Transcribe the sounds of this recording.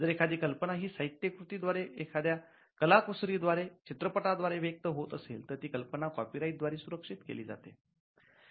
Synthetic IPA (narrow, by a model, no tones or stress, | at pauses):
d͡zəɾekʰad̪iːkəlpəɳaɦiːsəit̪jəkɾut̪iːd̪ʋaɾeekʰad̪ja | kəlakusɾiːd̪ʋaɾet͡ɕit̪ɾəpəʈad̪ʋaɾeʋek̚t̪əɦot̪əsḛlt̪əɾt̪iːkəlpənakɔpiɾajʈ̪̚d̪ʋaɾeːsuɾəkʂit̪kḛliːd͡za̰t̪ḛ